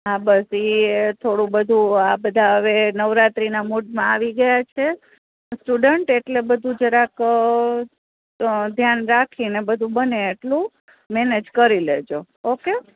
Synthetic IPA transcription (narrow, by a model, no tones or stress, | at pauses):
abəsit̪ʰoɽũbəd̪ʱuabəd̪ʱaəʋenəʋɾat̪ɾinamuɖmãaʋiɡəjat͡ʃʰe | sʈuɖəɳʈeʈlebəd̪ʱũd͡ʒeɾak | d̪ʱjanɾakʰinebəd̪ʱũbəneːʈlũ | mɛned͡ʒkəɾiled͡ʒo | oke